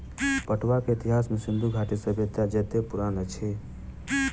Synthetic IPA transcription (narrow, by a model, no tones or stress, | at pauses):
pəʈʰwakeɪt̪iɦasmesind̪ʱuɡʱaʈisəbʱet̪ːad͡ʒət̪epuɾanət͡ʃʰi